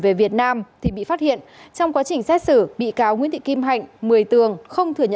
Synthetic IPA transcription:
ve˨˩vi˨˩ət̚naː˧mt̪ʰi˨˩ɓḭ˧˨faː˦˥t̚hḭ˧˨ənt͡ɕɔ˧wŋ͡mkwaː˨˦t͡ɕï˨˩ŋ̟sɛ˦˥t̚sɨ˧˩ɓḭ˧˨kaː˨˦wŋi˧˥nt̪ʰḭ˧˨ki˧mɦa˨˩jŋ̟mɨ˨˩əjt̪ɨ˨˩əŋxə˧wŋ͡mt̪ʰɨ˨˩əɲə̰˧

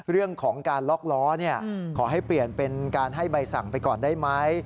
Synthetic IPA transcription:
ɾɯ˥˩əŋkʰɔː˩˦ŋkaː˧nlɔ˦˥k̚lɔː˦˥ni˥˩ɐkʰɔː˩˦ɦa˥˩jpli˨˩ənpe˧nkaː˧nɦa˥˩jba˧jsa˨˩ŋpa˧jkɔː˨˩ndaː˥˩jma˦˥j

